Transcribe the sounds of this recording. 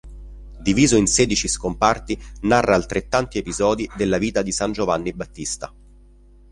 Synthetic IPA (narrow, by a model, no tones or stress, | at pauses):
d̪iviːzoinsɛːd̪it͡ʃiskompart̪inarːʔaːlt̪ɾet̪ːant̪iepizɔːd̪id̪elːaviːt̪ad̪isand͡ʒovanːibat̪ːist̪a̰